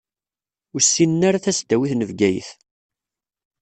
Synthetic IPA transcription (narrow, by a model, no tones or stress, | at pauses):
ʊɾsːinnaɾaθæsd̪æwiθnəvɡæjə̰θ